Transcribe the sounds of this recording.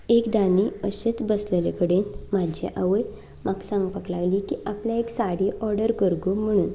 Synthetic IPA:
ekd̪aniːəɕet͡sbəslelekəɽenmad͡ʑʱḛʔaʋəj | maɡsãŋɡpaklaɡliːkiʔapljaeksaɽiːʔɔɾɖəɾkəɾɡum̤əɽ̃uːn

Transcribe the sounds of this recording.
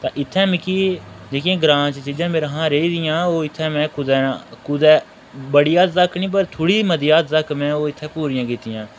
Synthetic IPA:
t̪ã̰ːʔɪt̪ʰːɛ̃ːmɪkiːd͡ʒeːkiẽːɡɾãːt͡ʃt͡ʃiːd͡ʒãːmeːɾãːɦãːɾeːiːd̪ɪjãːoːɪt̪ʰːɛ̃ːmɛ̃ːkʊd̪ɛːkʊd̪ɛː | bəɽijaːt̪zəkʰnĩːpəɾt̪ʰoːɽiːməd̪ijaːt̪zəkmɛ̃ːoːɪt̪ʰːɛ̃ːpuːɾɪjãːkɪt̪ɪjãː

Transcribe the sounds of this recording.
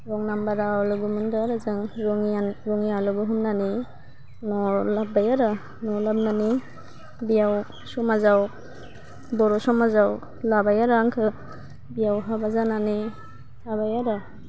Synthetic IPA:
ɾɔŋnambaɾaluɡumɯndaɾazɯŋɾɔŋaɾɔŋijaluɡɯɦumnani | nɔlab̚ajaɾa | nɔlab̚nani | bijaw | sɔmazaw | bɔɾɔsɔmazaw | labajaɾaŋkʰɯ | bijawɦabazanani | labajaɾa

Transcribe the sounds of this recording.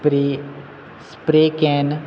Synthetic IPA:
pɾi | spɾeːkɛːn

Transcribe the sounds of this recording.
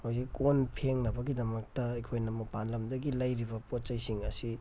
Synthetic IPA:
hawziikonpʰeŋnɐbɐɡidɐmɐk̚tɐekʰojnɐmɐpanlɐmdɐɡilɐjɾibɐpot͡ʃɐjsiŋɐsi

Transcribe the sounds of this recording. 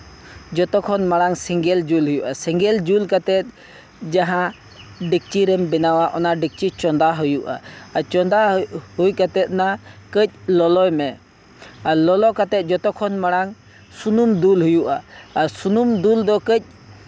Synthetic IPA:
d͡ʒɔt̪ɔkʰːɔnmaɽaŋsɛŋɡɛld͡ʒulɦujuʔasɛŋɡɛld͡ʒulkat̪ɛt̪̚ | d͡ʒaɦã | ɖik̚t͡ʃiɾɛmbɛnawaʔɔnaɖik̚t͡ʃit͡ʃɔnd̪aɦujuʔa̰at͡ʃɔnd̪ahujkat̪ɛt̪̚nakəc̚lɔlɔjmɛ | alɔlɔkat̪ɛt̪̚ˀd͡ʒɔt̪ɔkʰɔnmaɽaŋ | sunumd̪ulɦujuʔaːɾsunumd̪uld̪ɔkəc̚ˀ

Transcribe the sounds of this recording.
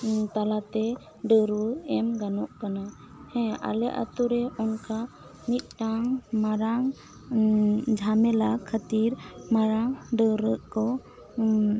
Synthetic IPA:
t̪alat̪ɛ | ɖəɾəɛmɡanɔʔkana | hɛ̃a̰lɛʔa̰t̪uɾɛɔnka | mit̪̚ˀʈaŋmaɾaŋ | d͡ʒʱamɛlakʰət̪iɾmaɾaŋɖəɾəʔkɔ

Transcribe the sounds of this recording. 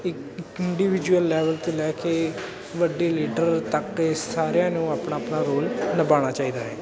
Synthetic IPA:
ɪk | ɪɳɖiːʋɪd͡ʒuəlːɛːʋəlt̪eːlɛːkeː | ʋəɖiːliːɖəɾt̪əksaːɾjãːnũːaːpɳaːpnaːɾoːlnəbaːɽ̃aːt͡ʃaːiːd̪aːɦɛː

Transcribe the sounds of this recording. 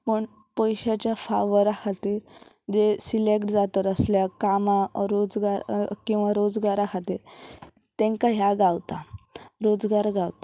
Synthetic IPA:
pəɳ | pəjɕat͡ɕjafaʋəɾakʰat̪iːɾ | d͡ʑesilekʈd͡zat̪əɾəsljakamaɾod͡zɡaɾkĩw̃ʋaɾod͡zɡaɾakʰat̪iːɾ | t̪ẽŋkaɦjaɡawt̪aɾod͡zɡaɾɡawt̪ḁ

